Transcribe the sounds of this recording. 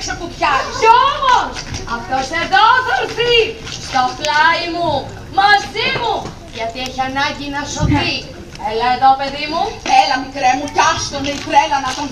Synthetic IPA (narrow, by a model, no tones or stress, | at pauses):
sɐput̪çɐuomosɐft̪oseðoθoɾθi | st̪oflɐimu | mɐzimu | ʝɐt̪ieçiɐnɐɲɟinɐsoθi | elɐeðope̞ðimuelɐmikɾemucɐst̪oneikɾelɐnɐt̪on